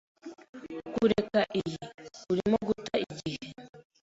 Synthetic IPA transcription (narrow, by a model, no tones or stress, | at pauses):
kuɾekaʔijiiuɾimoɡutaiɟihe